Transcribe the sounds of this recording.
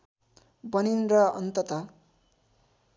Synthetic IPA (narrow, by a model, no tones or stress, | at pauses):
bʌninrʌʌ̰nt̪ʌt̪ʌ